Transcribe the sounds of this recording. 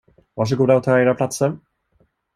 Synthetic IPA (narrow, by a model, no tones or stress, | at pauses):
vɑːʂ̬əɡuːd̪aʊt̪ʰaeːɾapʰlat̪səɾ